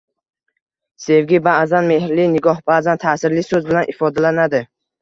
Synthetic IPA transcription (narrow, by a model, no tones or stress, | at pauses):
se̞vɡʲibaʔzanme̞ɦɾlinɪɡɒhbaːzant̪ʰaːsɪɾlisɵzbɪlanʔɪfɒd̪alanad̪ɪ